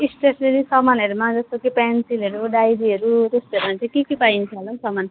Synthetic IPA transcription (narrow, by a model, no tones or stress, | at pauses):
isʈesnelisʌmanʌɾumad͡zʌst̪okepansilʌɾuɖajɾiʌɾud͡zʌst̪oɾumat͡sãĩkekepaint͡sʰʌlʌsʌman